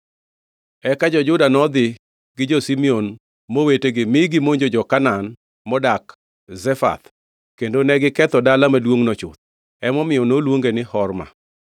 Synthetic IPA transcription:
ɛkad͡ʒɔd͡ʒʊdanɔd̪ɪ | ɡɪd͡ʒosimion | moweteɡɪmɪɡɪmoɲd͡ʒod͡ʒɔkanan | mɔdak | zɛfa̰t̪ | kendonɛɡɪkɛt̪ɔdalamadwoŋnɔt͡ʃʊ̰t̪̚ | ɛmɔmɪɔnolwoŋɡenɪhɔrma̰

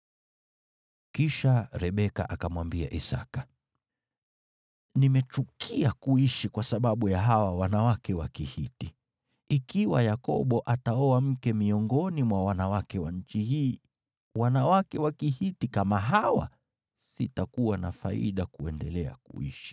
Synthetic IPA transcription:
kiʃaɾɛɓɛka̰ʔakamwambia̰ʔisa̰kḁ | nimɛt͡ʃukʰiakuiʃikwasaɓaɓujaɦawawanawakɛwakihiti | ikiwa̰jakɔ̰ɓɔʔataɔam̩kɛmiɔŋɡɔnimwawanawakɛwanɲ̩t͡ʃihiː | wanawakɛwakihitikamaɦawa̰ | sitakuwana̰fa̰ḭɗakuɛndɛlɛa̰kṵḭʃi̥

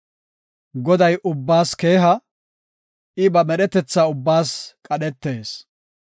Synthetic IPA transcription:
ɡɔd̪ɐjʔʊbːaːske̞ːɦɐ | ʔɪbɐmɛɗɛt̪ɛt͡sːaːʊbːaːskʼɐɗɛt̪ːe̞ːs

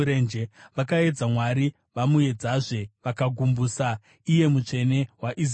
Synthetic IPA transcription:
ɾend͡ʒeʋakae̞d͡zamwaɾi | ʋamuje̞d͡zaʐe̞ʋakaɡʱumbuːsa | ije̞mut͡ʂe̞ne̞waʔiz

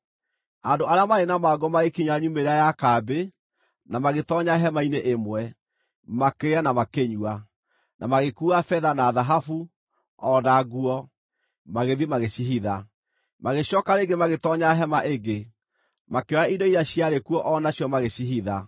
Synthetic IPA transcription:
andoʔaɾeamaɾenamaːɡɔmaɣekiɲaɲumeɾeajakaːbe | namaɣetɔɲaɦɛmaineʔemwɛ | makeanamakeɲwa | nʔa̰maɣekuːafɛðanaːðaɦafu | ɔdaɣuɔ | maɣeðimaɣeɕiɦiða | maɣeɕjɔkaɾeɡemaɣetɔɲaɦɛmaʔeɡe | makeɔɾaidoiɾaɕijaɾekuɔʔɔnaɕiɔmaɣeɕiɦiða

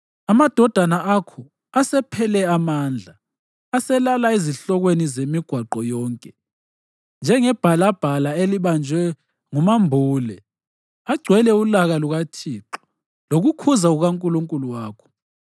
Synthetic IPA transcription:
amad̥ʱɔd̥ʱanaʔakʰɔ | asɛpʰɛlɛamaːnd͡ɮʱaː | sɛlalaeziɬɔɣwenizemiɡ̥ʱwaǃɔjɔːŋkʼɛ | nd͡ʒʱɛŋɛb̥ʱalab̥ʱalaeliβand͡ʒʱwɛ | ŋumambʱuːlɛ | aɡ͡ǀʱwɛlɛulaɣaluɣatʰiːǃɔ̥ | loɣukʰuzauɣaŋkʼuluŋkʼuluwaːkʰɔ̥

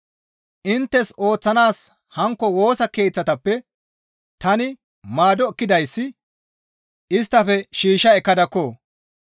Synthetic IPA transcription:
ʔɪnt̪ːɛso̞ːt͡sːɐnaːs | hɐŋkːɔwo̞ːsɐke̞ːt͡sːɐt̪ɐpːɛ | t̪ɐnɪ | maːd̪ɔkːɪd̪ɐjsːɪ | ɪst̪ːɐfɛʃiːʃɐɛkːɐd̪ɐkːoː

